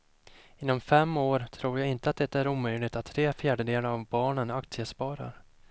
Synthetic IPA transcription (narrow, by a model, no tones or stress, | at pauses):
ɪnːɔmfɛmːoːɾt̪ʰɾuːɾjaɪnt̪əat̪̚d̪ɛt̪ːæɾuːmœjlɪɡt̪at̪ʰːɾeːfjæːɖəd̪eːləavbɑːɳənakt̪sɪəspɑːɾa̰ɾ